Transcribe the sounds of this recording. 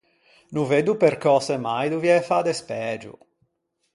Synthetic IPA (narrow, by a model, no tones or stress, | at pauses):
nuved̪upeɾkɔːsɛmajd̪uvjiɛfad̪espɛd͡ʒṵ